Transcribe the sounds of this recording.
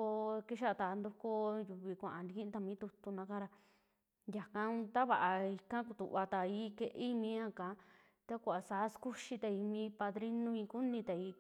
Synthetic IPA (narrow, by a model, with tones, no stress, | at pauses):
o˧ki˦ʃa˦˨˧t̪a˨˧nd̪u˧ko˦˧ju˧βi˧kʷã˨ʔã˧nd̪i˧kĩ˦ʔĩ˧˦t̪a˧mĩː˨˦t̪u˧t̪u˧nã˧˦kã˦ɾa˧ | ja˨ka˧˦t̪a˦βa˨ʔa˧i˧kã˦ku˧t̪ṵ˨βa˧t̪a˨iː˧˦ke˧ʔe˦i˧mĩ˧˦ã˦kã˨˦ | t̪a˦kʷa˧˨a˨sa˨˦sku˦ʃi˧t̪a˧i˧mĩ˧˦pa˧ðɾi˦nũ˦ĩ˧ku˦nĩ˧t̪a˨i˧